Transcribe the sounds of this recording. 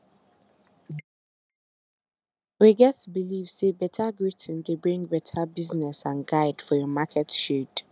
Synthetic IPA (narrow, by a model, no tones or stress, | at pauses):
wiɡɛtəbilivsebɛtʰəɡɹitʰɪ̃ndebɹĩŋbɛtʰəbiznɛsãnɡaɪdfɔjɔmakʰɛtʃid